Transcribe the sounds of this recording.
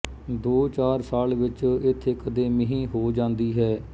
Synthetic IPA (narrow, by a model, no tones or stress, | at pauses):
d̪oːt͡ʃaːɾsaːlʋɪt͡ʃɪt̪ʰːeːkəd̪eːmɪɦĩːɦoːd͡ʒãːnd̪iːɦɛː